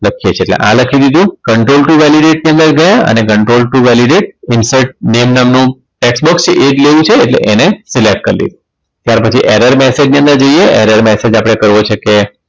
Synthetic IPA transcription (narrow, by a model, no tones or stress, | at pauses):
ləkʰijet͡ʃʰeːʈlḛʔã̰ləkʰid̪id̪ũkəɳʈɾolʈuʋɛliɖeʈ̚niə̃nd̪əɾɡəjaə̰nekəɳʈɾolʈuʋɛliɖeʈ̚ɪnsəʈ̚nemnamnũ | ʈeksbɔkst͡ʃeʔed͡ʒleʋũt͡ʃʰeːʈlḛʔenesilek̚ʈ̚kəɾlḭd̪u | t̪jaɾpət͡ʃʰiʔeɾəɾmɛsed͡ʒnijə̃nd̪əɾd͡ʒoijeʔeɾəɾmɛsed͡ʒapəɽ̃ekəɾʋot͡ʃʰeke